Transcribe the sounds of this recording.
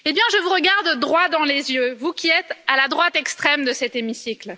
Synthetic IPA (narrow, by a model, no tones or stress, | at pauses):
ebjɛ̃ʒəvuʁəɡaʁd̪d̪ʁwad̪ɑ̃lezjøvukʲiɛt̪alad̪ʁwat̪ɛkst̪χɛmd̪əsɛt̪emisikl